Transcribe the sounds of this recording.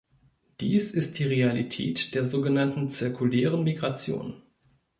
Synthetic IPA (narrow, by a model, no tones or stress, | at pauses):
d̥iːsɪst̚d̥iːʁealitʰɛ̰ːtd̥eːɐzoːɡənantn̩t͡sɪɐkʰulɛːʁənmiɡʁat͡sjo̰ːn